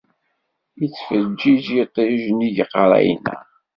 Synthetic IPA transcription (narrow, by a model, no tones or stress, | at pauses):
jət͡sːfəd͡ʒːid͡ʒjit̪ˤːeʒnijəqːɾˤæ̰jnæ̰